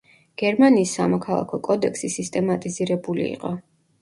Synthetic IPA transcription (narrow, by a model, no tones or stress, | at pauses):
ɡ̥ɛɾmaniːsːamɔkʰalˠa̰kʰɔkʼɔd̪ɛkʰsisist̪ʼɛmat̪ʼiziɾɛbulḭḭqʼɔ